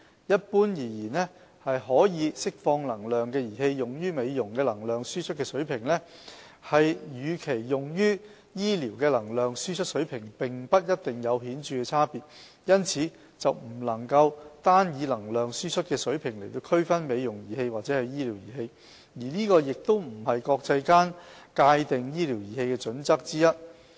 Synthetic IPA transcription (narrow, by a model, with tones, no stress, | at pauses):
jɐ˥t̚puː˥njiː˨˩jiː˨˩nlɛ˥ | hɐ˨jɦɔː˨˥jiː˨˧sɪ˥k̚fɔː˧ŋlɐ˨˩ŋlœː˨ŋkɛː˧jiː˨˩he˧jjʊ˨ŋjyː˥me˨˧jjʊ˨˩ŋkɛː˧lɐ˨˩ŋlœː˨ŋsyː˥t͡ʃʰɵ˥t̚kɛː˧sɵ˨˥ɥpʰɪ˨˩ŋlɛ˥ | hɐ˨jjyː˨˧kʰe˨˩jːʊ˨ŋjyː˥ | jiː˥liː˨˩wkɛː˧lɐ˨˩ŋlœː˨ŋsyː˥t͡ʃʰɵ˥t̚sɵ˨˥ɥpʰɪ˨˩ŋpɪ˨ŋpɐ˥t̚jɐ˥t̚t̪ɪ˨˩ŋjɐ˨˧wɦiː˨˥nt͡ʃyː˨˧kɛː˧t͡sʰaː˥piː˨t̚ | jɐ˥nt͡sʰiː˨˧ | t͡sɐ˨wm̩˨˩lɐ˨˩ŋkɐ˧wt̪aː˥njiː˨˧lɐ˨˩ŋlœː˨ŋsyː˥t͡ʃʰt̚kɛː˧sɵ˨˥ɥpʰɪ˨˩ŋle˨˩jt̪o˧wkʰɵ˥ɥfɐ˥nme˨˧jjʊ˨˩ŋjiː˨˩he˧jwaː˨t̚t͡sɛː˨˥hɐ˨jiː˥liː˨˩wjiː˨˩he˧j | jiː˨˩niː˥kɔː˧jɪ˨k̚t̪o˥wm̩˨˩hɐ˨jkɔː˧k̚t͡sɐ˧jkaː˥nkaː˧jt̪ɪ˨ŋjiː˥liː˨˩wjiː˨˩he˧jkɛː˧t͡ʃɵ˨˥nt͡sɐ˥k̚t͡siː˥jɐ˥t̚